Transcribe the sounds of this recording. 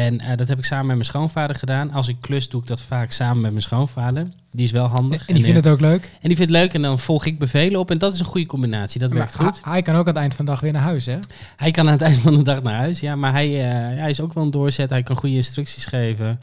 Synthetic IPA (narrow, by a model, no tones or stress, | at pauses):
ɛnədɔtɦɛp̬ɪksaːmənmɛt̚mɛnsχownfaːdəɹχədaːnɑlˠs̬ɪkːløsduɪɡ̚dɔtfaːksaːmənmɛt̚mɛnsχownvaːdəɹ | diɪs̬ʋɛlˠɦɑndəχdniɪndətowkløːkɛndifɪntløɥkɛndɔnv̥ɔlˠχɪɡ̚bəvejləɔpɛndɔtɪsə̃nχujəkɔmbinaːtsidɔtʋɛɹk̚tχutɛjkɑnowkanətɛjntfɔnədɑχʋɪːnaːɹɦœɥsɛ | ɦɛjkɑnaːnətɛjndəfɑnədɑχnaːɹɦœɥsjamaɹɦɛjəjaɛjɪsowkʋɛlˠəndʊːɹzɛtɦɛjkɑnχujəɪnstrʏksisχejvə